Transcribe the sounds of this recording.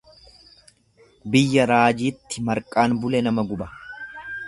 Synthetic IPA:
bɪjːɐɾaːd͡ʒiːt̪ːɪmɐɾkʼaːnbʊlɛnɐmɐɡʊbɐ

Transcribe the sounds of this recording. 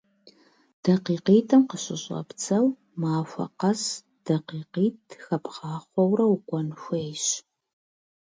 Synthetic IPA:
d̥ɐqiːqiːtʰɐmqəɕɪɕʼɐ̰pt͡sʰɐw | maːfʷɐ̰qɐs | d̥ɐqiːqiːtʰxɐpʰχɑːχʷɔwrɐwkʷʼɔnxʷejɕ

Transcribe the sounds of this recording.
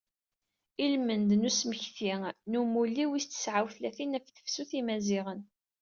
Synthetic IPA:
ilmənd̪nusməçθinumulːiwist̪ːə̥sʕawθlæθinæfθə̥fsuθimæziʁən

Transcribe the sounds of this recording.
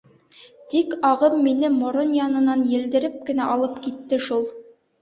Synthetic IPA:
t̪ikɑʁɤmːinɘmŏɾonjɑnɤ̆nɑnjɘ̆ld̪ɘ̆ɾɘp̚kɘ̆næʔɒlˠɤpkit̪ːɘʃulˠ

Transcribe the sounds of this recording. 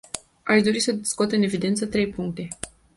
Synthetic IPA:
aʃd̪o̞ɾisəd̪iskuot̪ɨne̞vid̪e̞nt̪sət̪ɾe̞jpuŋk̚t̪e̞

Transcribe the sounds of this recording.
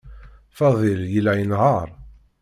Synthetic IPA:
fɑðˤɪljəlːæjənɦəɾˤ

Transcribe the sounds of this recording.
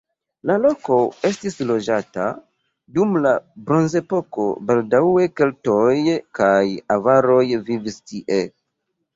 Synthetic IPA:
lalo̞ko̞e̞stislo̞d͡ʒata̰ | dumlabɾo̞nze̞po̞ko̞̰baldawe̞ke̞lto̞jkajavaɾo̞jvivistiʔe

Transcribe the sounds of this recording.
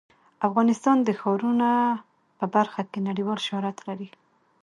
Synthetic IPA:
afɣɑnɪst̪ɑnd̪əxɑɾuna | pəbaɾxakenaɽiwɑlʃahɾat̪laɾi

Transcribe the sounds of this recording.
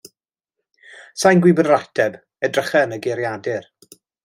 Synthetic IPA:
sajnɡwɪbənratʰɛb | ɛdrəχɛnəɡeɾjadɪr

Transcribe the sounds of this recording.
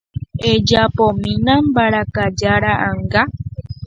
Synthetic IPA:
ed͡ʒapomĩnãmbaɾakad͡ʒaɾaʔaŋɡa

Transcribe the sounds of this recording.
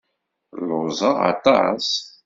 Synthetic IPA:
lʊzˤɑɑ̰t̪ˤɑ̰s

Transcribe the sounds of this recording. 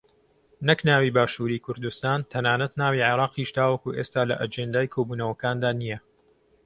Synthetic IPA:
nɨknaːwiːbaːʃuːɾiːkʰʊɾd̪ust̪aːnt̪ʰɐnaːnɐt̪naːwiːʕɪɾɑːqiːʃd̪aːwɐkuʔeːst̪aːlɐʔɐd͡ʒend̪aːjkʰoːbuːnɐwɐkaːnd̪aːnijɐ

